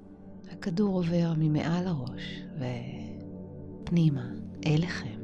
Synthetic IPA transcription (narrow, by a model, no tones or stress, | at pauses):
hakaduʁo̞ve̞ʁmimḛʔalaʁo̞ʃve | pnimaʔeleχem